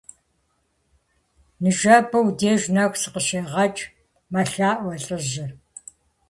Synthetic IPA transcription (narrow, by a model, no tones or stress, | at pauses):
nɨʒɐbɐwdeːʒnɐxʷsɨqəɕeːʁɐt͡ʃʼ | mɐɬaːʔʷɐɬʼɨʑɪ